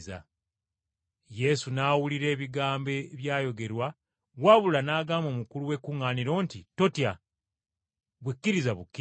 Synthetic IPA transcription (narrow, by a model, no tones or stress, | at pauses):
za̰ | je̞sunaːwuliɾe̞ːβiɡaːmbe̞βjaːjo̞ɡe̞ɾwa | waβulanaːɡaːmo̞ːmukuluwe̞kuŋːaːniɾo̞ːntito̞tja | βwikːiɾizaβukːi